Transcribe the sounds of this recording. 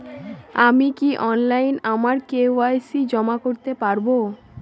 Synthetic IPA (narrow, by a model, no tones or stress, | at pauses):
amikiʔɔnlajnamaɾkeajsid͡ʑɔmakoɾt̪epaɾbo